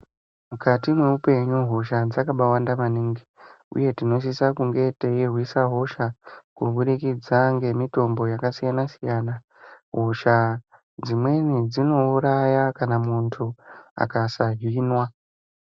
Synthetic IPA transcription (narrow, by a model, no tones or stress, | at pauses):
mukatimwe̞upe̞ɲuɦo̞ʃad͡zakaɓawandamaniŋɡi | ṵje̞tino̞s̬isakuŋɡe̞te̞jerwisaɦo̞ʃakuɓuɾikid͡zaŋɡe̞mito̞mbo̞jakasijanasijaːna | ɦoʃa | d͡zimwe̞nid͡zino̞uɾajakanamuntʰua̰kasaɦinwa